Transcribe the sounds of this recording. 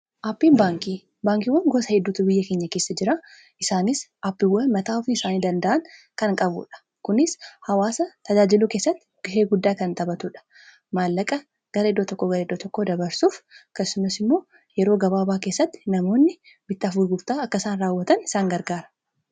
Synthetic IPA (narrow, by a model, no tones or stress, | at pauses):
ʔapːiːnbaːŋkiː | baːŋkiːwːɐŋɡoːsɐhɛd̪ːuːt̪ʊbɪjːɐkeːɲːɐke̞ːsːɐd͡ʒɪɾa | ɪsaːnɪsʔɐpːɪwːɐnmɐt̪aːʊfnɪɪsaːniːd̪ɐnd̪ɐʔɐŋ | kɐŋkʼɐbʊ̰ᶑɐ̥ | kʊnɪshɐwaːsɐt̪ɐd͡ʒaːd͡ʒɪluːke̞ːsːɐt̪ːɪ̥ɡ̥ɪʃeːɡʊd̪ːaːkɐnt̪ɐbɐt̪uːᶑɐ̥ | maːlːɐkʼɐ | ɡ̥ɐɾeːd̪oːt̪ɔkːoɡɐɾeːd̪ːoːt̪ɔkːoːd̪ɐbɐɾsuːfkːɐsːʊmɐsɪmːo̞ː | jɛɾo̞ːɡɐbaːbaːke̞ːsːɐt̪ːɪ̥nɐmo̞ːnːɪ | bɪt̪ːɐfuːɾɡʊɾt̪aːɐkːɐsaːnɾaːwːɐt̪ɐnɪsaːŋɡɐɾɡaːɾɐ̥